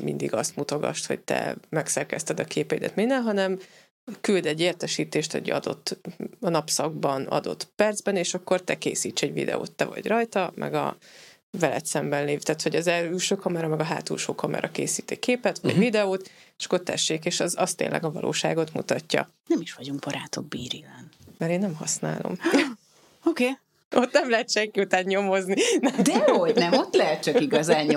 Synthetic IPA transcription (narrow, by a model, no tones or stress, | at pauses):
mind̪iɡɒst̪mut̪o̞ɡɒ̰ʃt̪ho̞ɟ̚t̪ɛ̰mɛksɛrkɛst̪ɛd̪ɒkʰeːpɛid̪ɛ̰t̪minːɛlɦɒnɛm | kyld̪ɛɟːeːrt̪ɛʃiːt̪eːʃt̪o̰ɟɒ̰d̪o̞̰t̪ːɒnɒpsɒɡ̚bɒnɒ̰d̪o̞̰t̪pɛrd̪zbɛneːʃɒkːo̞rt̪ɛkeːsiːt͡ʃːɛɟvḭd̪ɛ̰o̰ːt̪ːɛvɒ̰ɟrɒjt̪ɒmʔɛ̰ɡɒ̰ | vɛlɛt̪sɛmbɛnleːvt̪aːt̪ho̞ɟɒzɛyːlʃøːkʰɒmɔɾɒmɛɡɒɦa̰ːt̪ṵlʃoːkʰɒmɒ̰ɾɒkeːsiːt̪ekeːpɛt̪ʋɒ̰ɟvid̪ɛoːt̪t͡ʃɒ̥kːot̪ːɛ̰ʃːeːkeːʃɒzɒst̪ːḛːnlʔɛ̰ɡɒvɒ̰lʔo̰ːʃa̰ːɡo̞t̪mṵt̪ɒcːɒ̰ | nɛmiʃʋɒɟuŋɡ̚b̥ɒɾaːt̪o̞ɡ̚biːɾilɛnmɛɾeːnːɛmɦɒsna̰ːlʔo̞̰m | oːkeː | ot̪nɛmlɛɦɛt̪ʃɛŋkiut̪aːnɲomo̞zninɛd̪ɛoɟnɛmot̪ːlɛɦɛt̪t͡ʃɒkiɡɒzaːɲ